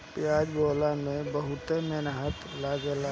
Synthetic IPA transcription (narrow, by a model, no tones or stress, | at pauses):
pjaːd͡ʒboːlamẽbəɦʊt̪emenaɦət̪laːɡela